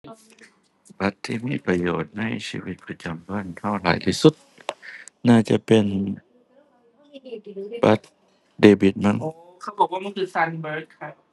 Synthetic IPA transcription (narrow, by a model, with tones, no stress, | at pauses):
ba˦˥t̪ʰːiː˧˩miː˧˥˨pɾa˧joː˨˩t̪̚na˧˥˩jsḭː˧˩wi˦t̪̚pa˧t͡ɕa˨˧mba˧˩˨nt̪ʰa˧˥˩wla̰ː˨˦jt̪ʰiː˧˥˩su˧˦t̪̚ | naː˥˩t͡ɕa˧˩pe˧n | ba˦t̪̚ | deː˧˩bi˧˦t̪̚ma˧˥˨ŋ | kʰa˧˥˩bɔː˨˩k̚waː˥˩ma˥˨nkʰɯː˧˩saː˧nbə˧˦t̪̚kʰa˦˥